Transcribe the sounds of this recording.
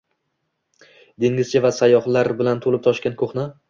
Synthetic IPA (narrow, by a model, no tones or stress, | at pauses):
d̪eŋɪzt͡ʃʰavasajɒχlˠaɾbɪlant̪ʰolɪp̚t̪ʰɒʃkʲankʰoχnɪ